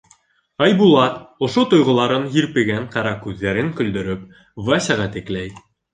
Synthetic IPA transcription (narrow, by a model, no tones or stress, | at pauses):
ɑjbulˠɑt̪ŏʃot̪ŏjʁŏlˠɑɾɤnjiɾpɘ̆ɡæɴqɑɾɑkʉðːæɾɘŋkɵ̆ld̪ɵ̆ɾɵp | væsʲɑʁɑt̪ɘ̆klæj